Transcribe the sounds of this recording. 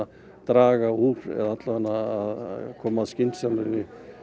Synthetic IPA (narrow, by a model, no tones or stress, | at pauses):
a | t̪ɾaːɣauɾɛ̰ðat̪lavanːaːðkʰɔːmaðscɪnt̪sjanʏvɪ